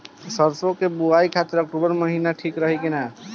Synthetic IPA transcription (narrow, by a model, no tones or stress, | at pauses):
səɾsokebuajkʰat̪əɾək̚ʈubəɾməɦinaʈʰikɾəɦikena